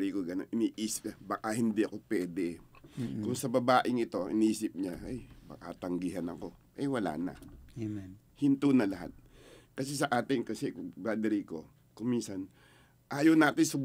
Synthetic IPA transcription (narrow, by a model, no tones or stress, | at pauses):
ɾikoɡɐnonɪniːʔiːsɪ̥p̚abɐkahɪnd̪iʔɐko̞pwɛːd̪ɛ | kʊŋsɐbɐbaːʔɪŋɪt̪o̞ʔɪ̰niːsɪp̚ɲaɐjbɐ̰ka̰t̪ɐŋɡɪɦɐnɐ̰ko̞ʔɐjwɐla̰ːnɐ̰ | hɪnt̪unɐlɐɦa̰t̪̚ | kɐsɛsɐʔaːt̪ɪŋkɐsɛkbɾaːd̪ɛɾiko̞ | kʊŋminsɐn | ʔaːjɐwnaːt̪ɪnsʊb